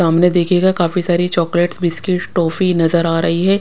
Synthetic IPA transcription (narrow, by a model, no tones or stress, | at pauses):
aːmned̪eːkʰeɡakaːfisaːɾit͡ʃɔːkleʈsbɪskɪʈʈːoːfinɐzəɾaːɾɐɦiɦɛː